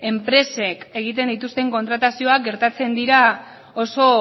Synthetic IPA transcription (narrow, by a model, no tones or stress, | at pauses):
e̞mpɾe̞se̞ke̞ɣ̞it̪̬e̞nd̪it̪ust̪e̞ŋko̞nt̪ɾat̪asio̞akɡe̞ɾt̪at͡se̞nd̪iɾa | oso̞